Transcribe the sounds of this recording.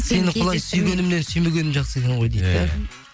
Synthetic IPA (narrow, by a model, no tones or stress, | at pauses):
se̞nɪqʰʊlˠɑjsʏjɡʲe̞nɪmne̞nsʏjme̞ɡʲe̞nɪmʒɑqsəek̪ʲeɴʁo̞jd̪ej̪ɪ